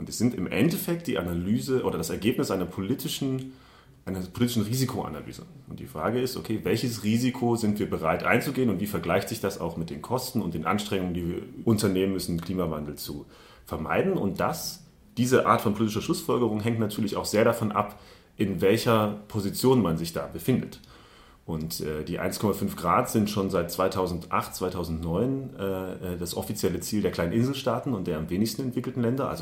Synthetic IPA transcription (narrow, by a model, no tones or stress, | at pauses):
ʔʊntɛsz̥ɪntɪmʔɛ̰ntɛfɛk̚td̥iːʔanalyːzəʔoːɾɐdasɛɐɡeːpnɪsʔaɪnɐpʰolitʰɪʃn̩ | ʔaɪnɐpʰoliːtɪʃn̩ʁiːzikʰoʔa̰na̰ly̰ːzə̰ʔʊntd̥iːfʁ̥a̰ːɡəɪstʔo̰kʰeːvɛlçəsʁiːzikʰozɪntv̥iːɐbəʁ̞aɪtʔa̰ɪnt͡suɡeːənʊntv̥iːfɛɐɡlaɪçtz̥ɪçd̥asa̰ʊxmɪt̚d̥eːnkʰɔstn̩ʊntd̥eːnʔa̰nʃtʁ̥ɛŋʊŋəndiːvɐʔʊntɐneːmənmʏsn̩kʰl̥iːmava̰ndl̩t͡su | fɛɐma̰ɪdn̩ʊ̰nt̚d̥as | d̥iːzəʔa̰ːɐtfɔnpʰoliːt̬ɪʃɐʃlʊsfɔlɡəʁ̞ʊŋɦɛŋktnatʰyːɐlɪça̰ʊxz̥eːɐɾafɔnʔa̰p | ʔɪnvɛlçɐpʰozit͡sjoːnmanzɪçd̥a̰ːbəfɪndət | ʔʊntʔɛːdiːʔa̰ɪnskʰɔmafʏnfɡ̥ʁaːtz̥ɪntʃoːnzaɪt̚t͡sv̥aɪtʰaʊzn̩tʔa̰χtt͡sv̥aɪtʰaʊzn̩tnɔʏnʔɛːɛdasʔɔfit͡sjɛlət͡siːldeːɐklaɪnənʔɪnzl̩ʃtaːtn̩ʊntd̥eːɐamveːnɪçstn̩ɛntv̥ɪkl̩tn̩lɛndɐʔa̰lzo